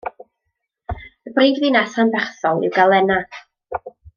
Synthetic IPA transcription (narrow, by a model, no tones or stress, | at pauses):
əbreːɡviːnaθanbɛχθɔlˠɪ̰wɡalˠɛna